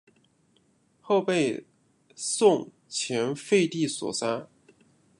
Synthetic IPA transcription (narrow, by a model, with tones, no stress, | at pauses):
xo˥˧ʊpe˥˧ɪ | sʊ˥˩ŋ | t͡ɕʰjɛ˧˥nfe˥˧ɪt̪i˥˩swɔ̰˨˩sa˥